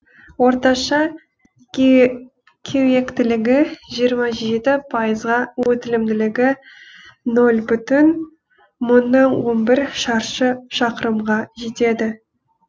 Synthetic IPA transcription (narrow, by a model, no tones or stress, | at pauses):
woɾt̪ɑʃɑ | kʲʰewje̞kt̪ɪlɪɡʲɪʒijəɾmɑʒe̞t̪ɪpʰɑjəzʁɑwɵt̪ɪlɪmd̪ɪlɪɡʲɪ | nolʲbʏt̪ɪn | mʊnːɑnwo̞nbɪɾʃɑɾʃəʃɑqəɾəmʁɑʒe̞t̪e̞d̪ɪ